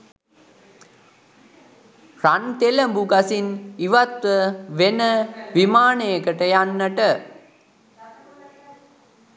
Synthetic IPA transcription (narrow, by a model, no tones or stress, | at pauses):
rant̪eləmbuɡasiniʋat̪ʋəʋenəʋimaːnejəkəʈəjanːəʈə